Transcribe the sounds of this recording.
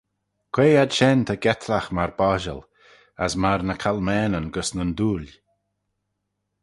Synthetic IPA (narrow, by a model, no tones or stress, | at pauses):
kʰweːad̪ʃɛnt̪ʰəɡɛt̪ʰlaxmaɹbɔʒə̰l | asmaɾnəkʰalmɛːnənɡəsnənd̪uːl